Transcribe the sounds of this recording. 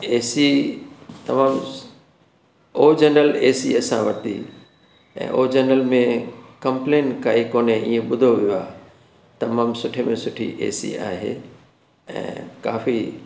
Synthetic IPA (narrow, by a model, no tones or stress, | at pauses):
eːsi | t̪ɐmaːm | oːd͡ʑɐnəleːsḭɐsã̰ʋɐt̪ḭ | ɛ̰̃ːʔoːd͡ʑɐnəlmẽkɐ̃mpleːnkaːikoːneiːẽɓʊd̪ʱoʋijoaː | t̪ɐmaːmsʊʈʰemẽsʊʈʰḭʔḛːsḭa̰ːɦḛː | ɛ̰̃ːkaːfi